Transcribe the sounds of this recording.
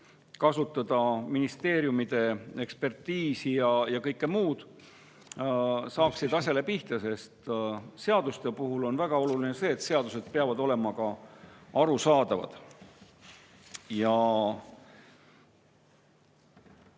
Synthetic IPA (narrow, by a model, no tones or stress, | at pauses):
kɑsut̪ːˑɑd̪̥ɑminist̪e̞ːɾjumid̪̥e̞e̞kspe̞rt̪ːiːsijɑjɑkɤjkːemuːd̪̥ | sɑːksid̪̥ɑsʲɑle̞piht̪ɑse̞st̪se̞ɑd̪̥ust̪e̞puɦulo̞nvæɡ̥ɑo̞lulinese̞ːt̪se̞ɑd̪̥use̞d̪̥peɑvɑd̪o̞le̞mɑkɑɑɾusɑːd̪̥ɑvɑ̰d̪̥ | jɑ